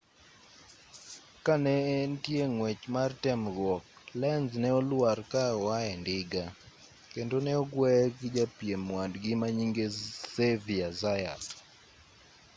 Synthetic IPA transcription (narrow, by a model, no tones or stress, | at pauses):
kanɛːntjeŋwɛt͡ʃmartɛmɡwɔk̚ | lɛnznɛɔlwarkawaɛndɪɡa | kendonɛɔɡwɛkɪd͡ʒapjemwadɡɪmaɲiŋɡeseviazaja̰t